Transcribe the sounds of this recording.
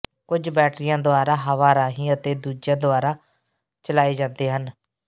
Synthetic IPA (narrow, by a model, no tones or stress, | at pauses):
kʊd͡ʒbɛːʈɾɪjãːd̪ʊaːɾaːɦəʋaːɾaːɦĩːət̪eːd̪uːd͡ʒãːd̪ʊaːɾaː | t͡ʃəlaːiːd͡ʒãːnd̪eːɦən